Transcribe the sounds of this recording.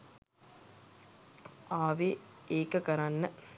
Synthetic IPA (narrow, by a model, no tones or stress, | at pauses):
aːʋeeːkːɐkɐɾanːɐ